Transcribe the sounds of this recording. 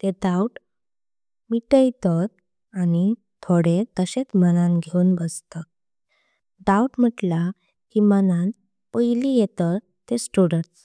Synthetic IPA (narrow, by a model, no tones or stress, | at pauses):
t̪eɖauʈ | miʈəjt̪ət̪̚ | ani | t̪ʰoɽet̪əset͡smənanɡʱeunbəst̪ə | ɖauʈm̤əʈla | kimənan | pəjlijet̪ət̪ | t̪ːesʈuɽəɳs